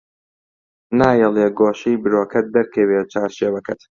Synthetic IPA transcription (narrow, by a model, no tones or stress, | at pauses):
naːjɛlˠeːɡoːʃijbɨɾoːkʰɐt̪̚d̪ɐɾkʰɛweːt͡ʃʰaːɾʃeːwɐkʰɐt̪